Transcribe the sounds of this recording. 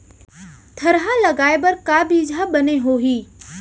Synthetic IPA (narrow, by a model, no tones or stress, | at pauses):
t̪ʰɐɾɦãlɐɡaːebɐɾkaːbiːd͡ʒʱaɓɐneɦoːɦiː